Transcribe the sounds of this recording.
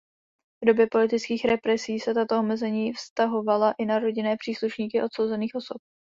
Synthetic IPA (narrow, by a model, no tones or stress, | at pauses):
vdo̞bjɛpo̞lɪt̪ɪt͡skiːxɾɛpɾɛsiːsɛt̪at̪oʔomɛzɛɲiːfst̪aɦo̞valaʔɪnaɾo̞ɟɪnɛːpr̝̥iːsluʃɲiːkɪʔo̞t̪so̞wzɛniːxo̞sop̚